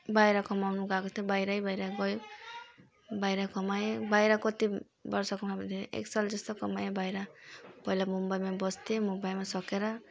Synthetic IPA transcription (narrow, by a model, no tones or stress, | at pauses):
bajɾakʌmawnuɡakot̪ʰobajɾaibajɾaɡʌjo | bajɾakʌmajebajɾakʌt̪i | bʌɾsʌkɔmapʌnt̪ʰeḛksald͡zʌst̪okʌmajebajɾapʌilamumbajmabʌst̪emumbajmasʌkeɾʌ